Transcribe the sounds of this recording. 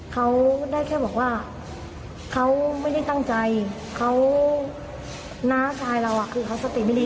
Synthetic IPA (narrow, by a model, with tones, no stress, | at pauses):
kʰa˦˥wdaː˥˩jkʰɛː˥˩bɔː˨˩k̚waː˥˩ | kʰa˦˥wma˥˩jda˥˩jt̪a˥˩ŋt͡ɕa˧j | kʰa˦˥w | naː˦˥t͡ɕʰaː˧jɾa˧wʔa˨˩kʰɯː˧kʰa˦˥wsa˧t̪i˨˩ma˥˩jdiː˧